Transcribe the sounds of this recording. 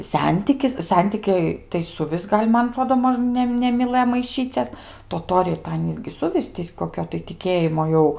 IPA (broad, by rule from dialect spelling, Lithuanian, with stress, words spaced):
ˈsʲɛnʲtʲɪkʲɪs ˈsʲɛnʲtʲɪkʲɛɪ tɐɪ sʊˈʋʲɪs ˈɡɐlʲ ˈmɐn ɐˈtroːdoː ˈmoːʃ ˈnʲɛ nʲɛmʲɪˈlˠɘjoː mɐɪˈʃʲiːt͡sʲɛs toːˈtoːrʲɛɪ tɐɪ ˈɑːnʲiːs ɡʲɪ ˈsʊʋʲɪs tʲɪ koːˈkʲoː tɐɪ tʲɪˈkʲeːjɪmoː ˈjɛʊ